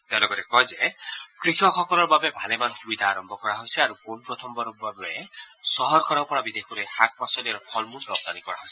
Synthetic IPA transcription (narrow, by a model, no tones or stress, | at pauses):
t̪elɔɡɔɾekɔjzekɾikʰɔkʰɔkɔlɔɾbabebʱalemanxubid̪ʱaːɾɔmbʱɔkɔɾaɦojsiaɾukonpɾɔt̪ʰɔmbɔɾɔbabesɔɦɔɾkɔɾɔpɔɽabid̪ekʰɔɾehak̚pasɔliaɾɔkʰɔlmunɔb̚d̪anikɔɾaɦojsi̥